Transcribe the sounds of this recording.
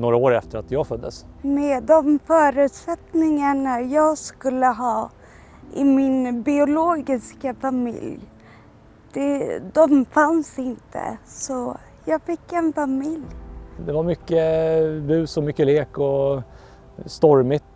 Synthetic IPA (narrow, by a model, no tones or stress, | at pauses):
noːɾaoːɾɛft̪əɾat̪jɑːɡfœd̪ːə̰s | meːd̪ɔmfœːɾʉ̟ːt̪sɛt̪nɪŋaɳajɑːɡskɵlːəɦɑː | ɪmɪnbɪʊloːɡɪskafamɪ̰lj | d̪̥ɛd̪ɔmfansɪnt̪ʰə̰sɔ | jɑːɡfɪkːɛnfamɪljd̪ɛvaɾmʏkːəbʉ̟ːsɔmʏkːəleːkɔ | st̪ɔɾmɪt̪